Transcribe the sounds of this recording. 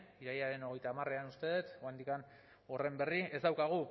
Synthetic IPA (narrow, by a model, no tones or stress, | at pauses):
iɾajaɾe̞no̞ɣ̞e̞jt̪aːmareanust̪e̞ðet̪wand̪ikan | o̞re̞mbe̞rie̞zd̪awkaɣ̞u